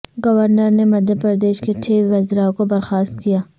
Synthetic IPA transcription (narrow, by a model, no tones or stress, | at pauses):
ɡɐʋəɾnəɾnemɐd̪ʱjəpɾəɾd̪eːʃkeʈʰeːʋʋɐzɾakobɐɾxaːst̪̚kijaː